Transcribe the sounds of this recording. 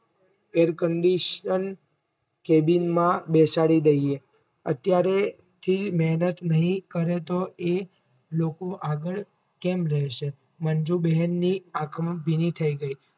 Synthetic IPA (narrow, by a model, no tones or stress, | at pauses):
eɾkəɳɖiʃən | kebinmãbesaɽid̪əie | ə̰t̪jaɾe | t̪ʰimɛɦnət̪nəɦĩkəɾet̪oe | lokoʔaɡəɭ | kemɾəɦeʃe | mənd͡ʒubɛɦənːiakʰmbʱinit̪ʰəiɡəi